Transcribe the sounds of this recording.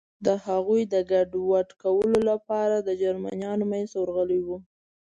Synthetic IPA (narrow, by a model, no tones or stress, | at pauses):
d̪əhaɣujd̪əɡaɖwaʈkawəlolapɑɾad̪əd͡ʒaɾma̰njɑnomajnzt̪wəɾɣəliwu